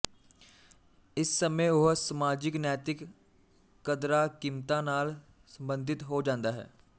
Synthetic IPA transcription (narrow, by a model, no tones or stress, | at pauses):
ɪsːəmeʊɦsəmaːd͡ʒɪknɛːt̪ɪkː | əd̪ɾakimt̪ãnaːl | sə̃mbə̃nd̪ʱɪt̪ɦod͡ʒãːnd̪aɦɛ̰ː